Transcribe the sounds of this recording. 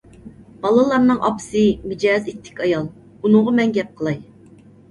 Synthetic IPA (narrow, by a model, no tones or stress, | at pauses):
b̥ɑlˠɨlˠɑɾnɨŋʔɑ̰pɨ̥sɨmɪd͡ʒɑzet̪ʰːɪ̥kʲɑjɑlˠ | unʊʁɑmɛnɡʲɛp̚qʰəlˠɑj